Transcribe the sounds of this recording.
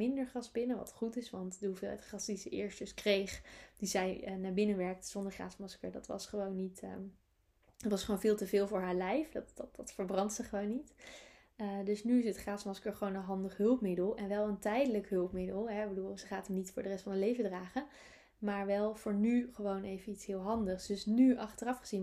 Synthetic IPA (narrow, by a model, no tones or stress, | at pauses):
ɪndəɹχrɑsbɪnəʋɑ̰tχutɪsʋɑntuvɪːlˠɛ̰tχrɑsdizəʔɪːɹst̚d̥ɵskrejχd̥izɛjənaːɹbɪnəʋɛɹk̚tə̥z̥ɔndəɹχra̰ːsmɑskə̰ɹdɑ̰tʋɑ̰sχəʋownːitː | ətʋɑsχəʋownvɪːlˠtəvɪːlˠvʊːɹɦaːɹlɛjfdɑtd̥ɑ̥ɑtfəɹbrɑntsəχəʋownːit | ədɵsnyɪs̬ətχraːsmɑskəɹχəʋownənɦɑndəχɦɵlˠpmɪdəlˠɛnʋɛlˠəntɛjdələkɦɵlˠpmɪdəlˠɦɛɪɡbəduːlˠsəχaːtəmnitfʊːɹdərɛstfɑnəlejvəɹdraːχən | maːɹʋɛlˠv̥ʊːɹnyχəʋownejvənitsɦɪːlˠɦɑndəχsd̥ɵsnyɑχtərɑfχəz̥in